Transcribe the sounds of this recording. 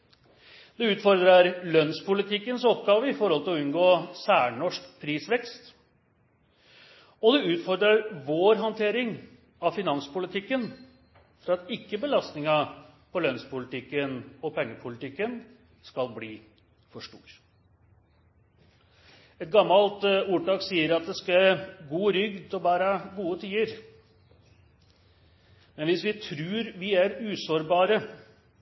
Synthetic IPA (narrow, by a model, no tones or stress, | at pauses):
d̪ɛʉːt̪fɔɾd̪ɾəɾlœnspʰʊlɪt̪ʰɪkːənsɔpɡɑːʋəɪfɔɾhɔlt̪ɪlɔʉnɡoːsæːɳɔʂkpʰɾiːsʋɛkst̪ | ɔd̪ɛʉːt̪fɔɾd̪ɾəɾʋoːɾɦɑnt̪ʰeːɾɪŋ | ɑfɪnɑnspʊlɪt̪ʰɪkːən | fɔɾɑɑt̪ɪkːəbəlɑst̪nɪŋɑpʰɔlœnspʊlɪt̪ʰɪkːənɔpɛŋːəpʰʊlɪt̪ɪkːən | skɑlbliː | fɔʂʈṵːɾ | ɛt̪̚ɡɑmːɑlt̪uːʈɑːksiːəɾɑt̪̚d̪ɛskɑɡuːɾʏɡd̪ɔbæːɾəɡuːət̪ʰiːəɾ | mɛnʋɪsʋɪt̪ʰɾʉːɾʋɪæɾʉːsoːɾbɑːɾə